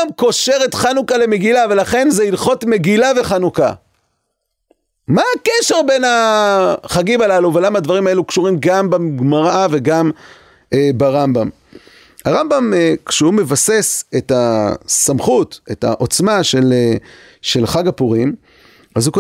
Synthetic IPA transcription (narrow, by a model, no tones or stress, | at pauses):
mko̞ʃe̞ʁe̞t̪χanukale̞meɡilave̞laχe̞nzeilχo̞tme̞ɡilave̞χanuka | maːkeʃe̞ʁbe̞na | χaɡimalaluvelamaad̪vaʁimae̞lukʃuʁimɡambamɡmaʁave̞ɡam | ebaʁambam | aʁambamekʃehume̞vase̞setasamχute̞ta̰ʔo̞t͡smaʃele | ʃe̞lχaɡapuʁim | azhuko